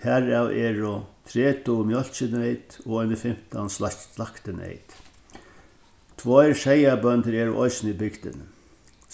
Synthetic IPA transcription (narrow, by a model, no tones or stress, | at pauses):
hæɹawʔɛːɹʊt̪ʰɾɛːt̪ʊmjɔl̥t͡ʃɪnɛjt̪ɔɔnəfɪm̥t̪a̰nslalakt̪ɪnɛ̰ɪt̪ | t̪ʰvɔjɾʃɛjabœnt̪əɾɛːɹʊʔɔɪsnibɪkt̪ɪ̰n